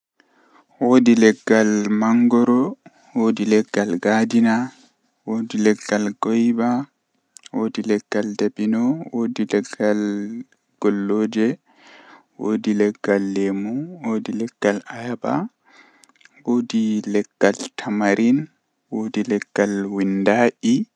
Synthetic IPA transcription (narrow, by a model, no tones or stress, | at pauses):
woːdilɛɡːalmaŋɡɔɾɔ | woːdilɛɡːalɡaːdina | wodilɛɡːalɡɔjba | woːdilɛɡ̥ːaldabinɔwoːdilɛɡːal | ɡ̥ɔlːoːd͡ʒɛ | woːdilɛɡ̥ːalːemuwoːdilɛɡ̥ːalajaba̰ | wodilɛɡ̥ːaltʰamaɾʔin | wodilɛɡ̥ːalwindaʔi